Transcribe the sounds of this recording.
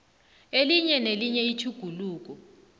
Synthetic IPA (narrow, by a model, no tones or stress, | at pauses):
eliɲɛneliɲɛitʰuɡ̥ʱuluːk̬ɔ